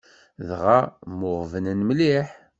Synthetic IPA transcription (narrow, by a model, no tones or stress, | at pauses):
ðʁamʊʁvənənmliħ